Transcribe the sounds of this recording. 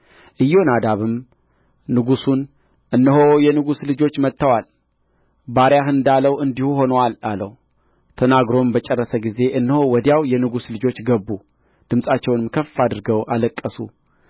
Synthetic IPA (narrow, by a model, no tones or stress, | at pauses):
ʔɨjːo̞nad̪aβɨmː | ɨɡusun | ʔɨnːəɦojɛnɨɡuslɨd͡ʒo̞t͡ʃːmət̪ʰːəwal | baɾjaɦɨnd̪aləwɨnd̪ihuɦo̞nəwalalə̰hu | t̪ʰənaɡɾo̞mbət͡ʃʼɛrːəsəɡize̞ʔɨnːəho̞wɔd̪jawjɛnɨɡuslɨd͡ʒo̞t͡ʃːɡəbːu | d̪̥ɨmsʼat͡ʃːɛwnɨmkʰəffad̪ɨɾɡəwʔaləkʼːəsṵ